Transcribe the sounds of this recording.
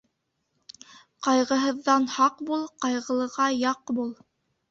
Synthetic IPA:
qɑjʁɤ̆ɦɤ̆ðːɑnhɑqbulˠqɑjʁɤ̆lˠɤ̆ʁɑjɑqbulˠ

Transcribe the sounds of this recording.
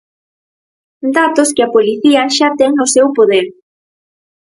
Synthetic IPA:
d̪at̪oskɪɐpoliθiɐʃat̪ɛŋnosewpoðeɾ

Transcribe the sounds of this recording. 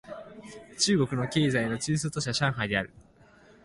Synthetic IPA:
t͡ɕɨːɡo̞kɯ̟no̞ke̞ːzaino̞t͡ɕɨːs̬ɨt̪o̞ɕ̬aɕãɰ̃ɦajd̪e̞aɾɯ̟

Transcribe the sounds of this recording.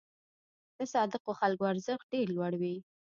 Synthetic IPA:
d̪̥əsɑd̪əqoxalkoaɾzəx̚ɖeɾlwaɽwi

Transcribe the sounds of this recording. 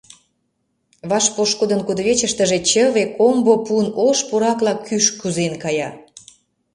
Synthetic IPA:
βɑʃpoʃkod̪ənkud̪βet͡ɕə̆ʃt̪əʒet͡ɕəβekombopunoʃpuɾɑklɑkʰːyʃkyzenkɑjɑ

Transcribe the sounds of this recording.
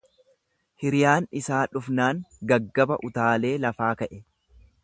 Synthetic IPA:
hɪɾɪjaːnɪsaːᶑʊfnaːŋɡɐɡːɐbɐʔʊt̪aːle̞ːlɐfaːkɐʔɛ

